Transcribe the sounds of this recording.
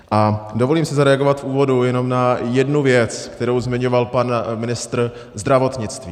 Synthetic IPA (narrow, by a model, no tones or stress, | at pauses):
ʔʔadovo̞liːmsɪzaɾɛaɡo̞vat̪fuːvo̞dujɛno̞mnajɛdnuvjɛt͡skt̪ɛɾo̞wzmɪɲo̞valpanmɪnɪst̪ɾ | zd̪ɾavo̞t̪ɲɪt͡st̪vi